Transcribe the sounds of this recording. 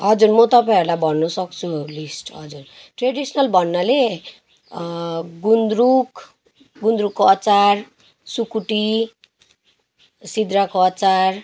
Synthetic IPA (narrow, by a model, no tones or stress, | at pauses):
ʌd͡zurmʌt̪ʌpajʌɾulajbʱʌnːusʌkt͡sʰulisʈɦʌd͡zurʈreɖisnʌlbʱʌnːʌle | ɡund̪ɾuk | ɡund̪ɾukːoʌt͡sar | sukuʈi | sid̪rakoʌt͡sar